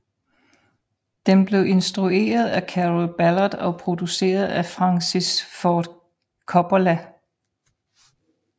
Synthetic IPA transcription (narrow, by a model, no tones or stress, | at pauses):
d̥emb̥le̝ʊʔe̝nsd̥ʁue̝̰ːɐð̞ˠækʰæʁlb̥ælɐd̥ɒ̽pʰʁo̝d̥use̝̰ːɐð̞ˠæfʁɑ̈ŋsisfɒd̥ | kʰɒb̥olæ